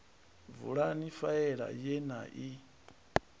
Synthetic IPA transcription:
vṵɺanifaɛɺa̰jɛna̰ʔi

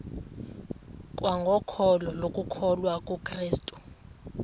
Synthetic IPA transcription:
kʼwaŋɡʱɔkʰɔlɔlokʼukʰɔlwakʼukʰriːstʼu̥

